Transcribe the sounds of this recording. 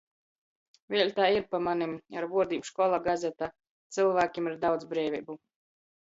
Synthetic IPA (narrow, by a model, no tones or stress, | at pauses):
vʲiɛlʲt̪aːiɾpamanimaɾvuɔd̪ʲiːbuʃkɔlˠaɡazʲɛt̪aː | t̪sɨlˠvæːkʲimaɾd̪awd̪zbɾɛːvʲɛːbu